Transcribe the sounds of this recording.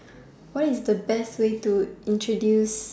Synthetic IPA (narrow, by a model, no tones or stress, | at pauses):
wɔtisdəbɛstwetuĩntɹodjus